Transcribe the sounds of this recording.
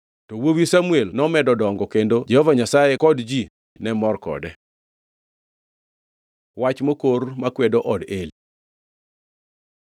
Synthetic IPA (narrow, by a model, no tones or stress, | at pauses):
towowisamuelnɔmɛdɔdɔŋɡɔkendod͡ʒɛhɔvaɲasajekɔdd͡ʒi | nɛmɔrkɔ̰dɛ | wat͡ʃmokormakwedoʔɔdeli